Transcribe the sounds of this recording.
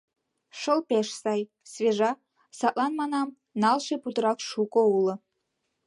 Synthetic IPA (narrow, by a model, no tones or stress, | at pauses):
ʃəlpeʃsɑj | svʲeʒɑ | sɑʔʼlˠɑnmɑnɑm | nɑlˠʃeput̪əɾɑkʃukʼoulə